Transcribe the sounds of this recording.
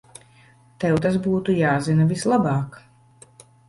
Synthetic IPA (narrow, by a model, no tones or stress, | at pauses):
t̪ɛwt̪asbuːt̪ujaːzinavislˠabɑːk